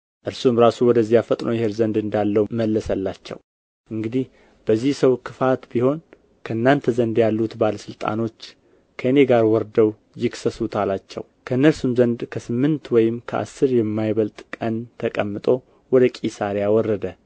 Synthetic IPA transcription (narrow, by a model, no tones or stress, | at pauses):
ʔɨɾsumɾasuwɔd̪əzːijafət̪ʼnojɛheɾzənd̪ɨnd̪alːəməlːəsəlːat͡ʃːɛ̰w | ʔɨŋɡɨd̪ih | b̥əzːihsəwkʰɨfat̪biho̞n | kʰəɨnːant̪ʰəzənd̪jalːut̪baləsɨlt̪ʼa̰no̞t͡ʃː | kʰəɨne̞ɡaɾwɔɾd̪əw | jɪksəsut̪ʰalat͡ʃːɛ̰wkʰəɨnːəlsumzənd̪kʰəsɨmːɨnt̪wɔjɪmkʰəʔa̰sːɨɾjɛmːajβəlt̪ʼkʼənt̪ʰəkʼəmːɨt̪ʼo̞ | wɔd̪əkʼisaɾjawɔrːəd̪ə